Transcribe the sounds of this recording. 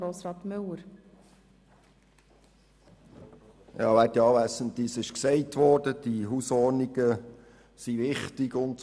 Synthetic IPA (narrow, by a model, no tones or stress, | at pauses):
ɾoːsɾɑːt̪mʏləɾ | jɑ̰ːʋætiɑːʋæːsənt̪ːisɪʃksɛɪtʋɔːd̥əd̥iɦusɔːɾniɡ̥ə | siʋɪχtɪɡʊn